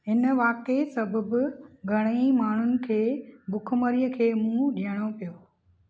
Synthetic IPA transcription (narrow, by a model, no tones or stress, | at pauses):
ɦɪnʋaːkesɐbʱəbʊ̆ɡʱɐɽ̃imaːɳ̤ʊnɪ̆kʰeːbʊkʰməɾijəkʰeːmũːɗijəɽ̃opijoː